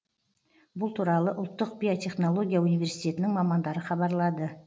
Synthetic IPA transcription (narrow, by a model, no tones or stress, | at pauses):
bʊlˠt̪ʰuɾɑlˠəʔʊlˠt̪ːəq̚bʲijo̞t̪ʲʰe̞χno̞lˠo̞ɡʲijaunijvʲe̞ɾsijt̪ʲe̞t̪ɪnɪŋmɑmɑnd̪ɑɾəχɑbɑɾlˠɑd̪ə